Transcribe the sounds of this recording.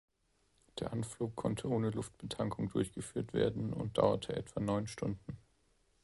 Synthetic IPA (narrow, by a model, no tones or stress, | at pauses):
d̥eːɐʔanfluːkʰːɔntʰəʔoːnəlʊft̚b̥ətʰaŋkʰʊŋdʊɐçɡ̥əfyːɐtv̥ḛːɐdn̩ʊ̰nt̚d̥a̰ʊɐ̰tʰəʔɛ̰tv̥anɔʏnʃtʊndn̩